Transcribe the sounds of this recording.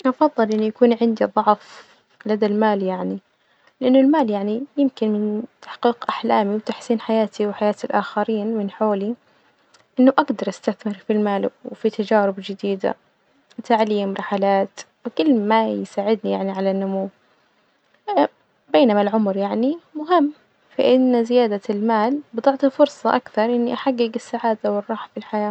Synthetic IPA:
ʔɑfɑðˤːɨlʔɪnːʊjakuːnʕɪnd̪id̪ˤɑʕf | lad̪almaːljaʕni | lɪʔanːʊlmaːljaʕnijɪmkɪnmɪnt̪ḁħqiːqʔaħlaːmiwt̪aħsiːnħajaːt̪iwɪħajaːt̪ɪlʔaxaɾiːnmɪnħoːli | ʔɪnːʊʔaɡd̪ɑɾˤʔast̪aθmɪɾfilmaːlwfit̪ad͡ʒaːɾɪbd͡ʒɪd̪iːd̪a̰ | t̪aʕliːmɾˤɑħalaːt̪wɪkʊlːmajsaːʕɪd̪nijaʕniʕalanːʊmuw | beːnamalʕʊmɾjaʕnimʊɦɪmː | faʔɪnːzɪjaːd̪almaːlbɪd̪ˤɑʕt̪ˤifʊɾsˤɑʔakθɑɾˤʔɪnːiʔaħaɡːɪɡɪsːaʕaːd̪awɪrˤːɑːħfilħajaː

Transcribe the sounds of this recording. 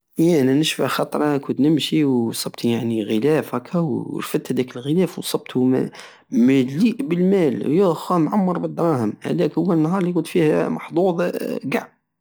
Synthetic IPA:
jænænəʃfaxɑt̪ˤɾˤɑkʊnt̪nɪmʃiwsˤɑbt̪ʰjaʕniɣəlæːfhækʰːæw̰ɾfət̪hæd̪ækəlɣəlæːfwsˤɑb̚t̪u | mæliːʔbəlmæːljæxwæmʕamːɑɾˤbəd̪ˤːɾˤɑhəmhæ̰d̪ækhʊwːænːɦɑːɾˤlikʊnt̪fiːhæmɑħd̪ˤuːd̪ˤɡaʕb

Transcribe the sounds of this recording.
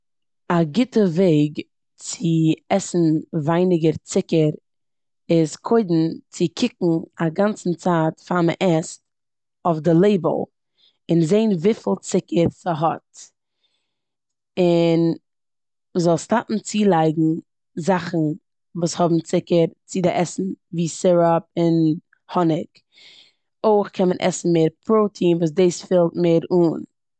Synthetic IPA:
aɡɪtəveɪɡ | t͡sɪɛsn̩vaɪnɪɡəɾt͡sɪkəɾ | ɪskʰoɪdn̩t͡sɪkʰɪkŋ̩aɡant͡sn̩t͡saːtfamə̰ʔɛs | ofdɪlˠeɪbə̰lˠ | ɪnzeɪnvifɪlˠt͡sɪkəɾsəɦɔt | ɪn | mzɔlˠstapn̩t͡siːlˠaɪɡŋ̩ | zaχn̩ | vuːshɔbm̩t͡sɪkəɾt͡sɪdɪʔɛsn̩viːsɪɾɔp̚ɪn | hɔnɪk | oɪχkʰɛnmənʔɛ̰sn̩meːɾpʰɾoʊtʰiːnvuːs̬deːsfɪlˠtmeɪːɾuːn

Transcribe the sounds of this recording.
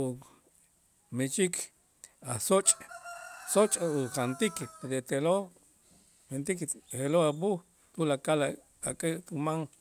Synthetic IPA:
u | met͡ʃik | asot͡ʃʼ | sot͡ʃʼuχant̪ikpeɾet̪elo | hent̪ikheloabuh | t̪ulakal | akʼeʔt̪umaŋ

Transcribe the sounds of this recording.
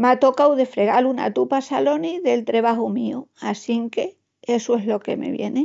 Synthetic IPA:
mat̪o̞kawðe̞fɾe̞ɣaluna̰t̪upasalo̞niðe̞lt̪ɾe̞βaɦumiuasiŋke̞ | e̞sue̞ɦlo̞ke̞̰me̞̰βje̞̰ne

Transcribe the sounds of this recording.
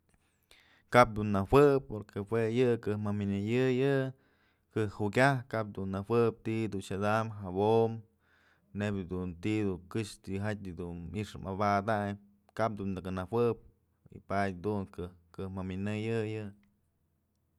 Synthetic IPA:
kap̚d̪unːawɨpːoɾkewejɨkɨmaminɨjɨjɨ | kɨhukʲahkap̚d̪unːawɨp̚t̪iʔd̪unʃad̪amɦabom | nebd̪unt̪iʔd̪ukɨʂt̪iɦat̪̚ʲɨd̪unmiʂɨmabad̪aɲ | kap̚d̪und̪ɨkɨnawɨp̚ | ḭpajʲd̪unkɨkɨmaminɨjɨjɨ

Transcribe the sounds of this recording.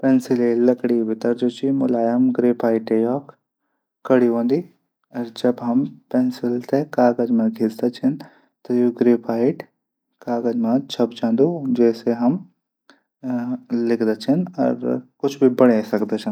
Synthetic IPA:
pɛnsɪlelɐkɽibʱɪt̪ɐɾd͡ʒoːt͡ʃʰimʊlaːjəmɡɾeːpʰaːɪʈejɔːk | kːɐɽiɦõːnd̪i | ɐɾd͡ʒɐbɦɐmpɛnsɪlt̪ekaːɡɐd͡ʒmãɡʱɪsd̪at͡ʃʰɐn | t̪ojoɡɾeːpʰaːɪʈ | kaːɡəd͡ʒmãt͡ʃʰɐp̚t͡ʃãːnd̪ud͡ʒɛːseɦɐm | lɪkʰd̪at͡ʃʰɐnɔ̰ɾkʊt͡ʃʰbʱibɐɽesɐkd̪et͡ʃʰɐn

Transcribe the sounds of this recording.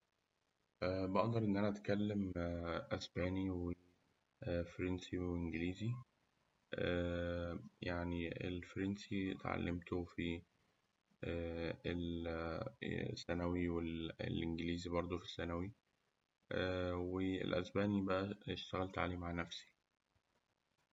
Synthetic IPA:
ʔæːbæʔɑʔd̪ˤɑɾˤʔenːʔænæʔæt̪kælːemʔæsbæːniwe | fɾensieʔenɡeliːzi | ʔæ | jaʕniḛlfɾensit̪ʕa̰lːemt̪ofi | æel | sːænæwiwelḛlʔenɡeliːzibɑɾˤd̪ˤofi̥sːænæwi | ʔæweḛlʔæ̰sbæːnibæʔæeʃt̪æɣælt̪ʕalimaʕnæfsi̥

